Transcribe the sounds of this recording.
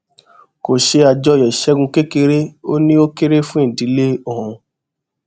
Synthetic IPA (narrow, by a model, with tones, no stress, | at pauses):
ko˨ʃe˧a˧d͡ʒɔ˧jɛ˨ʃɛ˨˦ɡũ˧ke˦ke˧ɾe˦o˦nĩ˦o˦ke˦ɾe˦fũ˦ĩ˦˨di˨˦le˦ɔ˨ɔ̃˧